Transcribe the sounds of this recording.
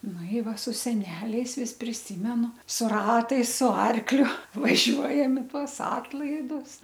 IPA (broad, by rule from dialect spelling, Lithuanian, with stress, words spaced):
ˈnʊ ɪ ˈʋɐ sʊ sʲɛˈnʲæːlʲɛɪs ˈʋʲɪs pʲrʲɪˈsʲiːmʲɛnʊ sʊ ˈrɑːtɐɪs sʊ ˈɐrklʲʊ ʋɐˈʒʲuɔjɛm ɪ ˈtuɔs ˈɑːtlˠɐɪdʊs